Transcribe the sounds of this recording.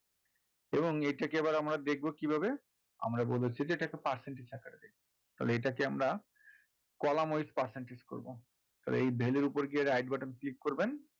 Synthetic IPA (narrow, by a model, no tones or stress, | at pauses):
eboŋejʈakeɛbaɾamɾad̪ek̚ʰbokibʱabe | a̰mɾabolet͡ɕʰid͡ʑeeʈakepaɾseɳʈisɛkʰaɾed̪ek̚ʰbo | t̪a̰leejʈakeamɾa | kɔlamojspaɾseɳʈisko̰ɾbo̰ | t̪a̰lḛejbʱeleɾupoɾɡieɾajɖbaʈenklikːoɾben